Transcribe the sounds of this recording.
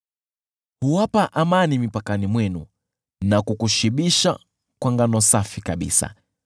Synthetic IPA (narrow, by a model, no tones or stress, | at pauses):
huwapaʔamanimipakanimwɛnu | nakukuʃiɓiʃa | kwaŋɡanɔsafikaɓḭsa̰